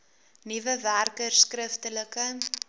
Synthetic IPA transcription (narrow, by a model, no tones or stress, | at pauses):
nivəværkərskrəftələkə